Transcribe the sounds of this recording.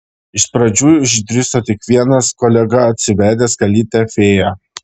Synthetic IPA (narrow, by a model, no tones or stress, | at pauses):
ɪʃpɾɐd͡ʒʲuːɪʒd̪ʲɾʲɪsoːt̪ʲɪkʋʲiɛnɐskɔːlʲɛɡɐɐt̪ʲsʲɪʋʲæːd̪ʲɛːskɐlʲiːt̪ʲɛfʲeːjɛ